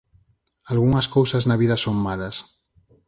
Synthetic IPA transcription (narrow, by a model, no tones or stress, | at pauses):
alɣuŋɐskowsɐznɐβ̞iðɐsoŋmalɐs